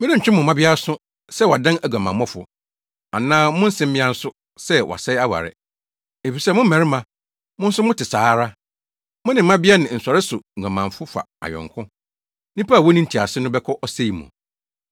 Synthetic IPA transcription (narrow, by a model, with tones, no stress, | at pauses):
mɪ̃˦ɾɪ̃˦ɲ̩˨t͡ɕᶣɪ˦mʊ̃˨mã˦bɪ˦a˦sʊ˦ | sɛ˦˨wa˨dã˦næ˨ɡa˨mã˨mɔ˦fʊ̰˨ | a˨nãː˦mʊ̃˦n̩˦sɪ̃˦m̩˦mɪ̃˦ã˦n̩˦sʊ˦ | sɛ˦wʔɔ̰˨sɛ˦ja˦wa̰˨ɾɪ̰˨ | e˨fi˨sɛ˦mʊ̃˦m̩˦mæ̃˨ɾɪ˦mã˨ | mʊ̃˦n̩˦sʊ˦mʊ̃˦tɪ˨saː˨˦ɾa˦ | mʊ̃˦nɪ̃˨˦mã˦bɪ˦a˦nɪ̃˨n̩˨sa˨ɾɪ˦sʊ˨ã˨mã˨ɱfʊ˦fa̰˨a̰˨jɔ̰̃˨ŋkʰʊ̃˦ | nĩ˦pʰa˦a˨wɔ˦nĩ˦n̩˨tʰi˨a˨sɪ˦nʊ̃˦bɛ˦kʰɔ˦ʔɔ˦se˦i˨mʊ̰̃˨